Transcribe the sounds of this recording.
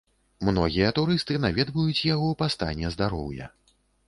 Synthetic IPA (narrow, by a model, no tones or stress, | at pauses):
mnɔɣʲijɐt̪uɾɨst̪ɨnavʲɛd̪vujut͡sʲjaɣɔwpast̪a̰nʲːɛzd̪aɾɔ̰wjɐ̰